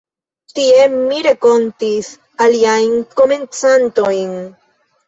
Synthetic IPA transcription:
t̪iemiɾe̞ko̞nt̪is | aliajnko̞me̞nt͡santo̞jn

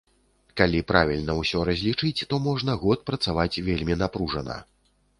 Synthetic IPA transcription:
kalʲipɾavʲilʲnɐwsʲɔɾɐzʲlʲit͡ʂɨt͡sʲt̪ɔmɔʐnɐɣɔt̪̚pɾɐt̪savat͡sʲvʲelʲmʲinapɾuʐɐnɐ̰

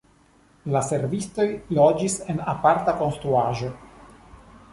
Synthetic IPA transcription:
lase̞ɾvisto̞jlo̞d͡ʒise̞napaɾtako̞nst̪ɾuaʒo̞

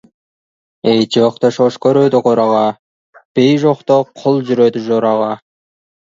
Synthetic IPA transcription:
ejd͡ʒoqt̪oʃoʃkøɾød̪yqoɾɑʁɑ | b̥ejʒoqt̪oqʰolˠd͡ʒyɾød̪yʒoɾɑʁɑ

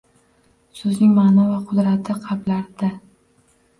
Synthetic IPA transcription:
sɵznɪŋmaːnavaqʰʊd̪ɾat̪ʰːɪqʰɑblaɾd̪a

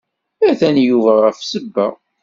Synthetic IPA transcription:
æθænjuvæʁæfsəbːə̰ʁ

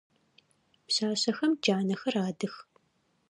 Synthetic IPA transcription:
pɕaːɕɐxɐmd͡ʒaːnɐxɐraːdɨx

